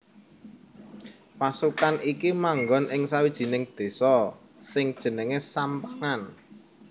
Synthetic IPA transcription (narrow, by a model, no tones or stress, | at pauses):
pasukanʔikimaŋɡɔnʔɪŋsawid̥ʒ̥i̤nɪŋd̪̥e̤sɔ | sɪŋd̥ʒ̥ə̤nəŋesampəŋan